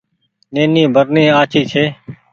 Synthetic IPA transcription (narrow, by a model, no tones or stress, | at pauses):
neːniːbʱəɾnĩːaːt͡ʃʰiːt͡ʃʰeː